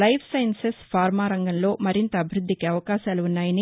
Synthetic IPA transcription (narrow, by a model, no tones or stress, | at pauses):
lɐjpsɐjnsespʰaːɾmaːɾɐŋɡɐnlo̞ːmɐɾint̪ɐːbʱiɾud̪ʱːikiɐʋɐkaːʃaːluunːaːjɐni